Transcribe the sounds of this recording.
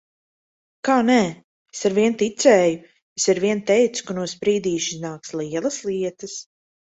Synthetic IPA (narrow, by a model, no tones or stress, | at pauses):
kaːnɛ | esaɾviɛnt̪it̪sɛːju | esaɾviɛnt̪ɛjt̪su̥kanuɔspɾiːd̪iːʃiznaːkslˠiɛlˠɐslˠiɛt̪ɐs